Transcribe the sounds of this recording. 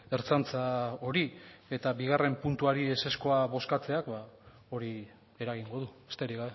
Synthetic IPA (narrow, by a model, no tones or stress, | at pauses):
e̞ɾt͡sant͡sao̞ɾie̞t̪aβiɣ̞are̞mpunt̪uaɾiese̞sko̞aβo̞skat͡se̞akba | o̞ɾi | e̞ɾaɣ̞iŋɡo̞ðuest̪eɾiɣae